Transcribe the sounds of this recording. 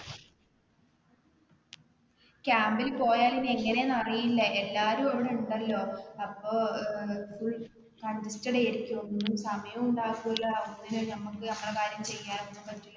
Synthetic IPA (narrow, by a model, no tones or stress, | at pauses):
kʲaːmbilpo̞ːjaːline̞ŋːɐne̞nɐrijilːɐʔe̞lːaːɾumɐʋiɽeuɳɖɐlːo̞ːɐpːo̞ː | fuɭ | kɐɳdistɐɽeːɾikʲːuʋɐnːnːumsɐmɐjɐmuɳɖaːkːuːilːaunːinɨnɐmːukːɨɐmːɐɽekaːɾjɐmt͡ɕe̞jːaːnonːupɐtːilːɐ